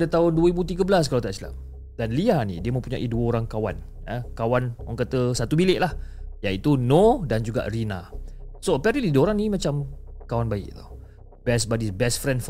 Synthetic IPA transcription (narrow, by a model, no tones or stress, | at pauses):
adət̪aʊnduəɾibut̪̬iɡəbəlas̬kalawt̪aʔsila̰m | danliahnḭdiəmə̃mpuɲa̰ʔiduəoɾaŋkawan | əkawanaŋkat̪əsat̪ubilɪʔlahjait̪unodand͡ʒuɡa̰ʔrinasoəpɛɾəlidoɾaŋnimat͡ʃamkawanbaɪ̰ʔt̪u̥ | b̥ɛsbadibɛsfɾɛndf